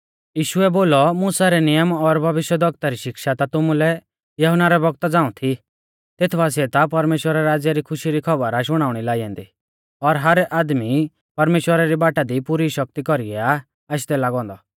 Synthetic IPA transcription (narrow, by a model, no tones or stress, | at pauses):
jiːʃʊɛboːlɔmuːsaɾɛnɪjəmɔɾbʱɐʋɪʃjəd̪ʱɔk̚t̪aɾiʃɪkʃat̪at̪ʊmũlɛ | jɐɦʊnaɾɛbɔɡ̚t̪ad͡zaːũt̪ʰi | t̪et̪ʰbaːs̬ɪɛt̪apɐɾmeːʃwəɾaɾaːd͡zjaɾikʰʊʃiɾikʰɔbəɾaʃ̬ʊɽ̃aːʊɽ̃ilaːijãnd̪i | ɔɾɦɐɾɛʔaːd̪mi | pɐɾmeːʃwəɾaɾibaːʈad̪ipuɾiʃɐk̚t̪ikɔɾiɡɛa | aʃd̪ɛlaːɡɔ̃ːnd̪ɔ